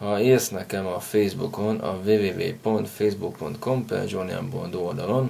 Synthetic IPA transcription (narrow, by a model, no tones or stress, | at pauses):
hɒeːsnɛkɛmɒfejzbuko̞nʔɒ̰veːveːvḛːpo̞nt̪fejzbuk̚po̞̰nt̪kʰo̞mpɛ̰d͡ʒoniɒ̰mpond̪oːld̪ɒlo̞n